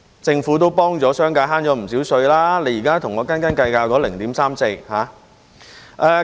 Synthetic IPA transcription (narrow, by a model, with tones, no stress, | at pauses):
t͡sɪ˧ŋfuː˨˥t̪o˥wpɔː˥ŋt͡sɔː˨˥sœː˥ŋkaː˧ɦaː˥nt͡sɔː˨˥m̩˨˩siː˨˥wsɵ˧ɥlaː˥le˨˧˥jiː˨˩kaː˥t̪ʰʊ˨˩ŋɔː˨˧kaː˥nkaː˥nkɐ˧jkaː˧wkɔː˨˥lɪ˨˩ŋt̪iː˨˥msaː˥mse˧jhaː˨˥ | ʔɛː˧